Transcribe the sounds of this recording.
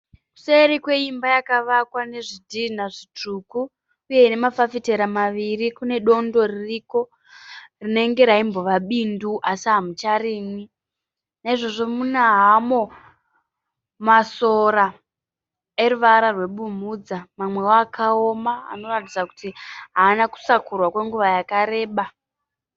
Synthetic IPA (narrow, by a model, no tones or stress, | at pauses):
ku̥seɾikwe̞imbajakaʋakwane̞ʐidʱin̤aʐit͡ʂukuː | je̞ine̞mafafite̞ɾamaʋirikune̞ɗo̞ndo̞ririko̞ | rine̞ŋɡe̞ɾaimbo̞ʋaɓinduʔasiɦamut͡ʃaɾiːmwi | naiʐo̞ʐo̞munaɦamo̞ | maso̞ɾa | e̞ruʋaɾarwe̞ɓumuːd͡zamamwe̞aːkao̞maa̰no̞ratid͡zakutiɦaːnaku̥sakurwakwe̞ŋɡuʋajakaɾe̞ːɓa